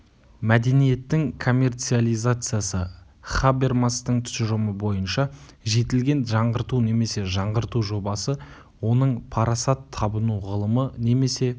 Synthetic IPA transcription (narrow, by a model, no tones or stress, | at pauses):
mæd̪e̞nije̞t̪ːɪŋkʰo̞mʲːe̞rt̪sɨalˠijzat̪sɨjasə | χabe̞rmast̪əɴt̪ʰʏ̥sʒoməbo̞jənʃɑʒe̞t̪ɪlɡʲe̞nʒɑɴʁəɾt̪une̞me̞se̞ʒɑɴʁəɾt̪uʒo̞bɑsə | wo̞nəɴpʰɑɾɑsɑt̪ʰːɑbənuʁəlˠəməne̞me̞se̞